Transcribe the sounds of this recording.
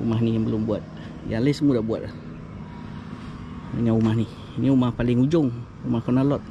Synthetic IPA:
ṵmaɦnijaŋbəlʊmbuat̪̚ | jalesəmudabua̰t̪̚lah | dəŋanumahni | niumahpalɪŋud͡ʒʊŋ | umahkɔnalɔt̪̚

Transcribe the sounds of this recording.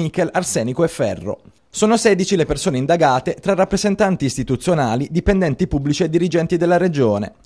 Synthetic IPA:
ikelarsɛːnikoɛfːɛ̰rːo̰ | soːnosɛːd̪it͡ʃilepersoːneind̪aɡaːt̪et̪ɾarːapːɾezent̪ant̪iːst̪it̪ut̪sːjonaːlid̪ipend̪ɛnt̪ipubːlit͡ʃied̪ːiɾid͡ʒɛnt̪id̪elːaɾed͡ʒoːnḛ

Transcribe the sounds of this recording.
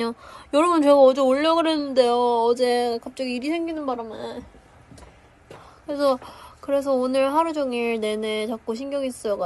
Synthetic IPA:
ojʌɾʌbʌnt͡ɕeɡaʌd͡ʑe̞oʎːʌɡɯɾenɯnde̞joːd͡ʑe̞kap̚t͡ɕ͈ʌɡiːɾisʰe̞ŋɡinɯnbaɾamʌ | kɯɾe̞s̬ʰʌkɯɾe̞s̬ʰʌonɯɭɦaɾud͡ʑʌŋiɭne̞net͡ɕak̚k͈oɕ̬ʰinɡjʌŋis͈ʌʌɡa

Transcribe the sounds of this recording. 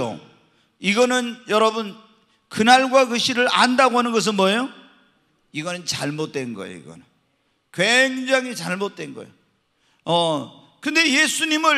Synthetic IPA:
o̰ | iɡʌnɯnjʌɾʌbɯn | kɯnaɭɡwakɯɕʰiɾɯɾandaɡoɦanɯnɡʌs̬ʰɯnmwʌejo | iɡʌnɯnt͡ɕaɭmot̚t͈we̞nɡʌḛjo̰ḭɡʌ̰nɯn | kweŋd͡ʑaŋɦit͡ɕaɭmot̚t͈we̞nɡʌ̰jo | ʌ | kɯnde̞jesʰuɲimɯ

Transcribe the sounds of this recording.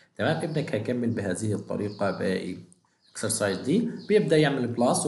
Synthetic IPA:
kamaːmʔɪbnakhakamːɪlbɪɦaːðɪhɪt̪ˤːɑ̰ɾiːqɑbɪ̰ | ʔaksɑɾˤsˤɑʕiːzd̪iːb̥jɪb̚d̪aʔjɪʕmɪlɪblɑːsˤ

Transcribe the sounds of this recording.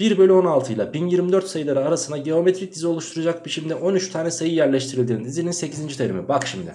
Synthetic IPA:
b̥iɾbølʲyo̞nalˠt̪ʰɯjlˠabinjiɾmid̪øɾt̪sajɯlˠaɾɯaɾasɯnd̪aɟe̞o̞met̪ʰɾic̚d̪izio̞lˠuʃt̪ʰuɾad͡ʒak̚bit͡ʃʰimd̪ɛʔo̞nyt͡ʃt̪ʰaːnʲɛsajɯjæɾlʲɛʃt̪ʰiɾilʲd̪iːnd̪izininse̞cʰizind͡ʒit̪ʰeɾḭmibakʃimd̪ɪ̰

